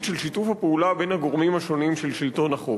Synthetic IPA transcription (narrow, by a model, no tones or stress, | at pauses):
ʃelʃitufhapeulabe̞nhaɡo̞ʁmimhaʃo̞nimʃelʃilt̪o̞naχo